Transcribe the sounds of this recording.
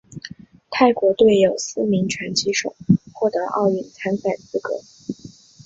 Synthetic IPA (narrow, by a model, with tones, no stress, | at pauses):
t̪ʰa˥˩ɪkwɔ˧˥t̪we˥˩ɪjo˨˩ʊsɹ̩˥mi˧˥ŋʈ͡ʂʰwa˧˥nt͡ɕʰi˧˥ʂo̰˨˩˦xwɔ˥˩t̪ɤ˧˥ʔɑ̰˥˧ʊy˥˩nt͡sʰa˥nfa˨˩nt͡sɹ̩˥kɤ̰˧˥